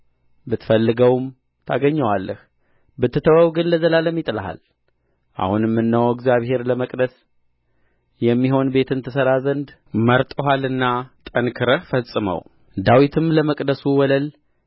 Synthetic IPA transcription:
bɨt̪fəlːɨɡəwm | t̪ʰaɡəɲːəwalːəh | bɨt̪ːɨt̪ʰəwəwɡɨnləzəlaləmːit̪ʼɨlaha̰l | ʔa̰hunjɛmːɨnːəwɛɡzijaβhe̞ɾləməkʼd̪əs | jɛmːiɦo̞nbe̞t̪ʰɨnt̪ʰəsəɾazənd̪ | məɾt̪ʼoɦalɨnːat̪ʼənkʰɨɾəfəsʼɨmə̰w | d̪awit̪ʰɨmləməkʼd̪əsuwɔləl

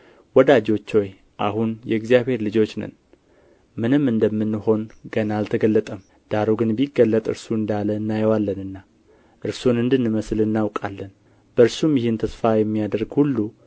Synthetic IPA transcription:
wɔd̪ad͡ʒo̞t͡ʃːo̞j | ʔa̰ɦunjɛ̰ɡzijaβhe̞ɾlɨd͡ʒo̞t͡ʃːnə̰n | mɨnɨmːɨnd̪əmːɨnːɨho̞nɡənalt̪ʰəɡəlːət̪ʼəm | d̪̥aɾoɡɨnbjiɡːəlːət̪ʼɨ̰ɾsuɨnd̪aləɨnːajɛwalːənɨnːa | ʔɨɾsunɨnd̪ɨnːɨməslɨnːawkʼalːən | b̥əɨɾsumjɪhɪnt̪ʰəsfajɛmːijad̪əɾɡhulːu

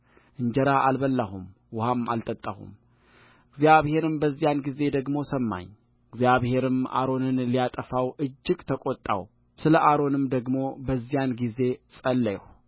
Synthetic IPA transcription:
ʔɨɲd͡ʒəɾaʔalbəlːahum | wʊhama̰lt̪ʼət̪ʼːahṵm | ɨɡzijaβhe̞ɾɨmbəzːijanɡize̞d̪əɡmo̞səmːa̰ɲ | ɨɡzjaβhe̞ɾɨma̰ɾo̞nɨnlijat̪ʼəfawʔɨd͡ʒːɪɡt̪ʰəkʼot̪ʼːa̰w | sɨləʔaɾo̞nɨmd̪əɡmo̞bəzːijanɡize̞sʼəlːəj̰w

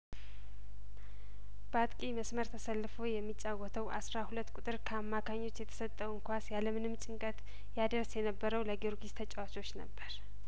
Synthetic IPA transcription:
b̥əat̪kʼiməsməɾt̪ʰəsəlːɨfojɛmːit͡ʃʼːawɔt̪ʰəwʔa̰sɾahulət̪ːkʼut̪ʼɨɾkʰəamːakʰaɲːo̞t͡ʃːjɛt̪ʰə̥sət̪ʼːəwɨŋkʰʷasjaləmɨnɨmt͡ʃʼɪŋkʼət̪ | jad̪əɾsjɛnəbːəɾəwləɡoɾɡist̪ʰət͡ʃʼawat͡ʃo̞t͡ʃːnə̰bːəɾ

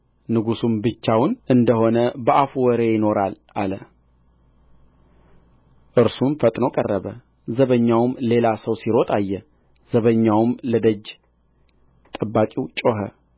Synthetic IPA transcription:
nɨɡusumbɨt͡ʃːawʊnɨnd̪əho̞nəbəʔafuwɔɾejɪno̞ɾalʔalə | ʔɨɾsumfət̪ʼno̞kʼərːəβə | zəβəɲːawmle̞lasəwsiɾo̞t̪ʼajːɛ | z̥əβəɲːawmləd̪əd͡ʒ | t̪ʼəbːakʼiwt͡ʃʼo̞ɦə̰

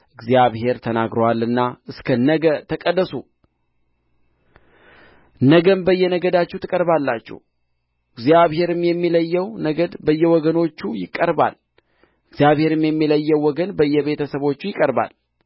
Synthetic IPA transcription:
ʔɨɡzjaβhe̞ɾt̪ʰənaɡɾəwalːɨnːaɨskʰənəɡət̪ʰəkʼəd̪ːəsu | nəɡəmbəjːɛnəɡəd̪at͡ʃːɛwt̪ʰɨkʼəɾbalːat͡ʃːɛ̰w | ʔɨɡzjaβhe̞ɾɨmjɛmːiləjːɛwnəɡəd̪bəjːɛwɔɡəno̞t͡ʃːujɪkʼːəɾba̰l | ʔɨɡzjaβhe̞ɾɨmjɛmːiləjːɛwːɔɡənbəjːɛβe̞t̪ʰəsəβo̞t͡ʃːujɪkʼəɾba̰l

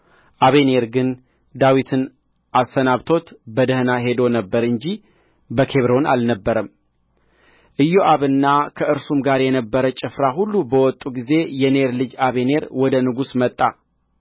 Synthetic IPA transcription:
ʔaβe̞ne̞ɾɡɨn | d̪awit̪ʰɨn | ʔasːənaβt̪ʰo̞t̪bəd̪əhɨnaɦe̞d̪o̞nəbːəɾɨɲd͡ʒi | bəkʰe̞βɾo̞na̰lnəbːəɾəm | ʔɨjːoʔaβɨnːakʰəɨɾsumɡaɾjɛnəbːəɾət͡ʃʼɪfɾaɦulːubəwɔt̪ʼːuɡize̞jɛneɾlɨd͡ʒaβe̞ne̞ɾwɔd̪ənɨɡusmət̪ʼːa

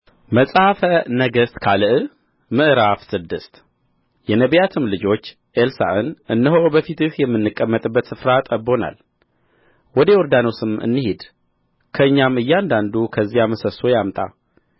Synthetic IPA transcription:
məsʼhfənəɡəst̪kʰalɨʔ | mɨʔɾafsɨd̪ːɨst̪ | jɛnəβjat̪ʰɨmlɨd͡ʒo̞t͡ʃː | ʔelsa̰ʔɨnʔɨnːəɦobəfit̪ɨhjɛmːɨnːɨkʼːəmːət̪ʼɨbːət̪sɨfɾat̪ʼəbːo̞na̰l | wɔd̪ewɔɾd̪ano̞sɨmɨ̰nːɨhed̪ | kʰəɨɲːamɨjːɛand̪and̪ukʰəzːijaməsəso̞jamt̪ʼa̰

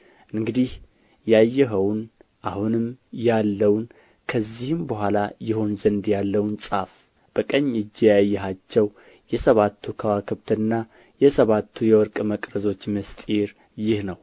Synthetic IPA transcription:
ʔɨŋɡɨd̪ih | jajːɛɦəwnʔahunɨmjalːəwn | kʰəzːihɨmbəɦʷalajɪho̞nzənd̪jalːəwnsʼaf | b̥əkʼəɲːɨd͡ʒːɛjajːɛɦat͡ʃːɛw | jɛsəβat̪ʰːukʰawakʰɨβt̪ʰɨnːa | jɛsəβat̪ʰːujɛwɔɾkʼməkʼɾəzo̞t͡ʃːmɨst̪ʼiɾ | jɪhnəw

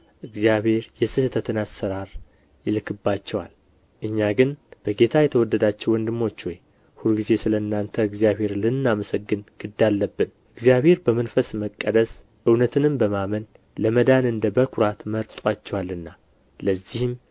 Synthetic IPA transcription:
ʔɨɡzijaβhe̞ɾjɛsɨhɨt̪ʰət̪ʰɨnasːəɾaɾ | jɪlkʰɨbːat͡ʃːɛwa̰l | ʔɨɲːaɡɨnb̥əɡe̞t̪ʰajɛt̪ʰəwɔd̪ːəd̪at͡ʃːɛwɔnd̪ɨmːo̞t͡ʃːwɔj | huɾɡize̞sɨləɨnːant̪ʰəɨɡzijaβhe̞ɾlɨnːaməsəɡːɨnɡ̥ɨd̪ːalːəbːɨnʔɨɡzijaβhe̞ɾbəmənfəsməkʼːəd̪əs | ʔɨwnət̪ʰɨnɨmbəmamən | ləməd̪anɨnd̪əbəkʰuɾat̪məɾt̪ʼwat͡ʃːɛwalːɨnːa | ləzːihɨm

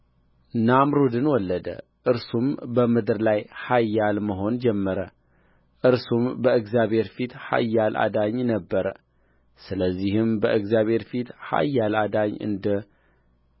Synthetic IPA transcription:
namɾud̪ɨnwɔlːəd̪ə̰ʔɨɾsumbəmɨd̪ɾlajhajːalməɦo̞nd͡ʒɛmːəɾə | ʔɨɾsumbəɨɡzjaβhe̞ɾfit̪ha̰jːalʔa̰d̪aɲnəbːəɾə | sɨləzːihɨmbəʔɨɡzjaβhe̞ɾfit̪ha̰jːalad̪aɲɨ̰nd̪ə

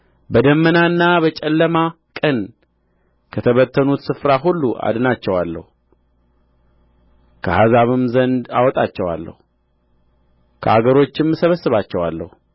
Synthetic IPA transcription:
bəd̪əmːənaɨnːaβət͡ʃʼɛlːəma | kʼən | kʰət̪ʰəβət̪ʰːənut̪sɨfɾaɦulːuʔa̰d̪ɨnat͡ʃːɛwalːə̰hu | kʰəhazaβɨmzənd̪a̰wɔt̪ʼat͡ʃːɛwa̰lːə̰hu | kʰəaɡəɾo̞t͡ʃːɪmɨsəβəsːɨβat͡ʃːɛwa̰lːə̰hu

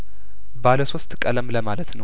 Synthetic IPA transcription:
baləso̞st̪ʼkʼələmləmalət̪nəw

